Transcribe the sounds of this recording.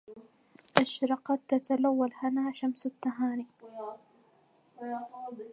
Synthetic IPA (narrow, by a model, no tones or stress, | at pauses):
ʔaʃɾɑqɑt̪ːat̪alawːalhanaːʃamsat̪ːaɦaːni